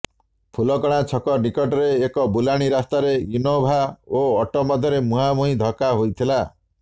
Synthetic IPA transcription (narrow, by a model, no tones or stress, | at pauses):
pʰulɔkɔɽ̃at͡ʃʰɔkɔɾnikɔʈɔɾeːkɔbulaɽ̃iɾast̪aɾeinɔbʱaoɔʈɔmɔd̪ʱjɔɾemuɦamuɦĩd̪ʱɔkaɦojt̪ʰila